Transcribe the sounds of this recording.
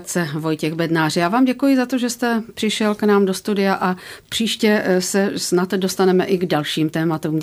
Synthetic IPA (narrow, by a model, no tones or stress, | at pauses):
t͡sɛvo̞jcɛɣbɛdnaːrjaːvaːmɟɛkujɪzat̪o̞ʒɛst̪ɛpr̝̥ɪʃɛlknaːmdo̞st̪udɪjaʔapr̝̥iːʃcɛsɛsnat̪do̞st̪anɛmɛʔɪɡdalʃiːmt̪ɛːmat̪uːm